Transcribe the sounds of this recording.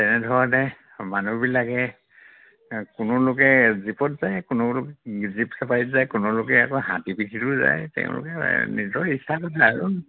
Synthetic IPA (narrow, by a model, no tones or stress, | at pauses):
tɛnɛdʱɔɹatɛ | manubilakɛ | kʊnʊlʊkɛzipɔtzajkʊnʊlʊkɛzipsapajitzajkʊnʊlʊkɛakɔɦã̰tipitʰitʊza̰jtɛ̰̃ʊ̃lʊ̰kɛnḭdɔisakɔtʰaːɹu